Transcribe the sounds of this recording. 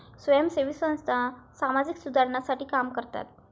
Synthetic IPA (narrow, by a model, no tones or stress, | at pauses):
sʋəjəmsəɾʋisə̃st̪ʰasamad͡ziksud̪ʱaɾnasaʈiːkamkəɾt̪a̰t̪